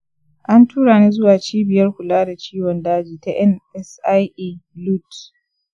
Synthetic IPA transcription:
ʔa˦ntuː˦ɽaː˨niː˦zʊ˦waː˨t͡ʃiː˦bɪ˨jɐ˦rkʷʊ˨laː˦da˨t͡ʃiː˦wɔ˨ndaː˦d͡ʒiː˨ta˦ʔɛ˦nʔɛ˦sa˦jʔlu˦t

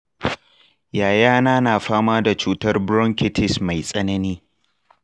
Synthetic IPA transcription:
jaː˨jaː˦naː˦naː˨ɸaː˦maː˦da˨t͡ʃuː˦tɐ˦rbɾɔ˦ŋkʲɪ˦tʰɪ˨sma˨jsʼɐ˦nɐ˦niː˦

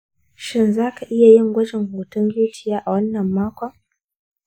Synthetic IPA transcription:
ʃɪ˦nzaː˦ka˨ʔɪ˦ja˨jɪ˦ŋɡʷɐ˦d͡ʒɪ˨ŋhoː˨tʊ˦ŋɡʲuː˦tɪ˨jaː˦ʔa˨wɐ˦nːɐ˨mːaː˦kʷɔ˦ŋ

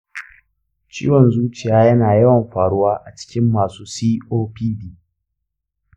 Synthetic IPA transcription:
t͡ʃḭː˦wɔ˨nzuː˦t͡ʃɪ˨jaː˦jɐ˦naː˨jɐ˦wɐ˨mɸaː˨ɽʊ˦waː˦ʔa˨t͡ʃɪ̥˦kʲɪ˦mːaː˨suː˦siː˦ʔoː˦piː˦biː˦

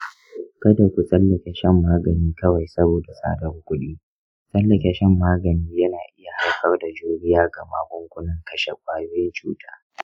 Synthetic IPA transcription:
kɐ˦da˨kʷu˨sʼɐ˦lːɐ˨kʲe˦ʃɛ˦˨mːaː˦ɡɐ˨niː˦kɐ˦wa˨jsɐ˦boː˨da˨sa̰ː˦dɐ˦rkʷʊ˦ɗiː˦ | sʼɐ˦lːɐ˨kʲe˦ʃɛ˦mːaː˦ɡɐ˨niː˦jɐ˦naː˨ʔɪ˦ja˨ha˦kɐ˦rda˨d͡ʒuː˦ɽɪ˦jaː˦ɡɐ˨ma̰ː˦kʷʊ˦ŋkʷʊ˦lɐ˦ŋkɐ˦ʃḛ˨kʷʼaː˦joː˦jɪ˦nt͡ʃuː˦tʰaː˦

